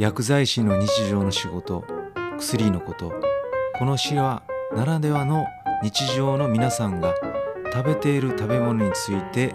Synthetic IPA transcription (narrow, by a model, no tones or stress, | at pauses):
jakɯ̟zaiɕino̞ɲ̟it͡ɕiʑo̞ːno̞ɕiɡo̞t̪o̞̰kɯ̟̥sɨɾʲino̞ko̞t̪o̞̰ko̞no̞ɕiβanaɾad̪e̞βano̞ɲ̟it͡ɕiʑo̞ːno̞mʲinasãŋɡat̪abe̞t̪e̞iɾɯ̟t̪abe̞mo̞no̞ɲ̟it͡sɨit̪e̞